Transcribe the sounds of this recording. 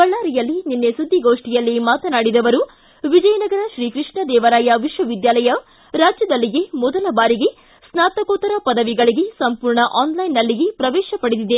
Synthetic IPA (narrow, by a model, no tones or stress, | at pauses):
kɐɭːaːɾijɐlːininːesud̪ʱːiɡoːʂʈijɐlːimaːt̪ɐnaːɽid̪ɐʋɐɾu | ʋid͡ʒɐjɐnɐɡɐɾɐʃɾiːkɾiʂɳɐd̪ɛːʋɐɾaːjɐʋiʃʋɐʋid̪jaːlɐjɐ | ɾaːd͡ʒjɐd̪ɐlːiɡe̞mɔd̪ɐlɐbaːɾiɡe̞ | snaːt̪ɐkoːt̪ɐɾɐpɐd̪ɐʋiɡɐɭiɡe̞sɐmpuːɾɳɐʔaːnlɐjinːɐlːiɡepɾɐʋɛːʃɐpɐɽed̪id̪e